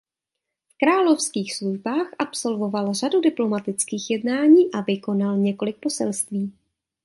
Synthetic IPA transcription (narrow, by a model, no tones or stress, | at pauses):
fkɾaːlo̞fskiːxsluʒbaːxʔapso̞lvo̞valr̝adudɪplo̞mat̪ɪt͡skiːxjɛdnaːɲiːʔavɪko̞nalɲɛko̞lɪk̚po̞sɛlst̪viː